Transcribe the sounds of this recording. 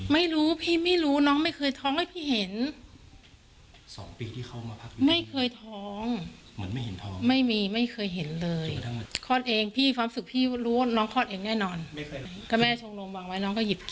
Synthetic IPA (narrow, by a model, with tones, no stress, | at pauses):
ma˥˩jɾuː˦˥pʰiː˥˩ma˥˩jɾuː˦˥nɔː˦˥ŋma˥˩jkʰɤː˧jt̪ʰɔː˦˥ŋha˥˩jpʰiː˥˩ɦe˨˩˦n | sɔ̰ː˩˦ŋpiː˧t̪ʰiː˥˩ka˦˥˩wmaː˧pʰa˦˥k̚ma˥˩jkʰɤː˧jt̪ʰɔː˦˥ŋ | mɯ˩˦nma˥˩jhe˩˦nt̪ʰɔː˦ŋma˥˩jmiː˧ma˥˩jkʰɤː˧jɦe˨˩˦nlɤː˧jkʰɔː˥˩t̪̚ʔeː˧ŋpʰiː˥˩kʰwaː˧msu˨˩k̚pʰiː˥˩˥ɾuː˦˥wa˥˩nɔː˦˥ŋkʰɔː˥˩t̪ʔeː˧ŋnɛː˥˩nɔː˧nma˥˩˧ka˧mɛː˥˩t͡ɕʰo˧ŋlo˧mwaː˧ŋwa˦˥jnɔː˦˥ŋkɔː˥˩ji˨˩p̚k